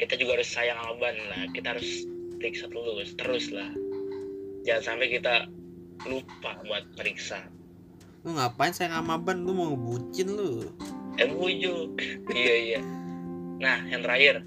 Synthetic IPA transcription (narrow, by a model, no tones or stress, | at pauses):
kit̪ad͡ʒuɡahaɾʊsːajaŋamabanlahkit̪ahaɾʊspəɾiksat̪əlʊst̪əɾʊslah | d͡ʒaŋansampɛkit̪a | lupabuat̪̚pəɾiksa | uŋɡapaɪɲsajaŋamabanlumaŋəbut͡ʃɪnlu | ɛmbud͡ʒʊkijaija | nahjant̪ɾaɪr